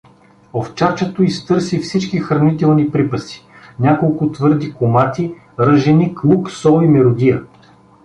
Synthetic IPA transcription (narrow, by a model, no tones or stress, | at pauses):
oft͡ʃaɾt͡ʃɛt̪oist̪ɤɾsifsit͡ʃkixɾɐnit̪ɛlˠnipɾipəsi̥ | nʲakolˠkʊt̪vɤɾd̪ikomat̪i | ɾɤʒɛniklˠuksɔimɛɾʊd̪ijə